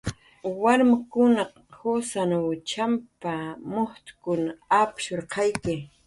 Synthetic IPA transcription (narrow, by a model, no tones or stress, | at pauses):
waɾmakʊnɑq | hosanawt͡ʃampamoht̪ʊ̥kʊnaapʃoɾqʰɑjkɪ